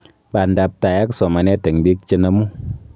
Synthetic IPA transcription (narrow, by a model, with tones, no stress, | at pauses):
ba˨n˨da˧p̚ta˨ja˦kso˨ma˨ne˦te˨ŋbi˦k̚t͡ʃi˧na˧mu˦